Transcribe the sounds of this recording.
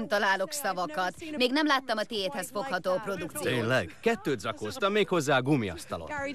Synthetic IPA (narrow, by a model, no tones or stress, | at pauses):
mt̪ɒlaːlo̞ksɒvɒkɒt̪meːɡnɛmlaːt̪ːɒmɒt̪eːeːt̪hɛsfo̞khɒt̪oːɒpro̞d̪ukt̪sit̪eːnlɛɡkɛt̪ːøːd̪zɒkoːst̪ɒmːeːkho̞zːaːɒɡumiɒ̰st̪ɒlo̰t̪ː